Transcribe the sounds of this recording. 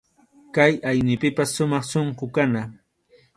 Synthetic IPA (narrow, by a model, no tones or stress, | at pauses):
kajajnɪpɪpasːʊmɑχʃoɴqʊkana